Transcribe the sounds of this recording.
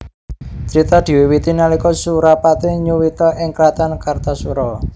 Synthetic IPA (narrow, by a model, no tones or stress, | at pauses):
t͡ʃɾit̪ad̪̥i̤wiwit̪inalikɔsuɾapat̪iɲuwit̪ɔʔɪŋkɾat̪ankart̪asuɾɔ